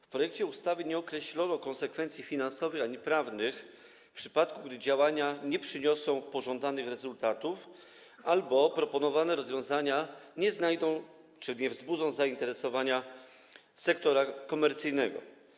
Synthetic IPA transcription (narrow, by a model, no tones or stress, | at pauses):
fpɾɔjɛk̚t͡ɕɛust̪avɘɲɛɔkɾɛɕlɔnɔkɔnsɛkfɛnt̪sʲjifʲinansɔvɘxaɲipɾavnɘx | fpʂɘ̥pat̪kuɡd̪ɘd͡ʑawaɲaɲɛpʂɘɲɔsɔ̃w̃pɔʐɔnd̪anɘxɾɛzult̪at̪uf | albɔpɾɔpɔnɔvanɛɾɔzvʲjɔ̃w̃zaɲaɲɛznajd̪ɔ̃w̃ | t͡ʂɘɲɛvzbud̪zɔ̃w̃zaint̪ɛɾɛsɔvaɲa | sɛkt̪ɔɾakɔmɛɾt̪sɘjnɛɡɔ̰